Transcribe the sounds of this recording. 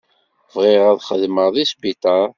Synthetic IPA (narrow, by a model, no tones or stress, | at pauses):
vʁɪʁæðχəðməʁðisbit̪ˤɑɾˤ